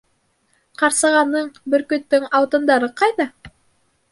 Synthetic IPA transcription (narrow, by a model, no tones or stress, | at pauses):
qɑɾsɤ̆ʁɑnːɤɴbɵ̆ɾkɵ̆t̪ːɵŋɑwt̪ɤ̆nd̪ɑɾɤqɑjðɑ